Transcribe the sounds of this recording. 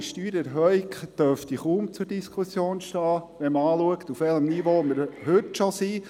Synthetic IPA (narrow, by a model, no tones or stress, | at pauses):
ʃtyːɾɛɾɦœikd̥œɾftiχuːmt͡sʊɾdiskʰusjoːnʃtɑːʋɛməɑːluəkt̪ufʋɛləmnivoməɾɦøtʃosiː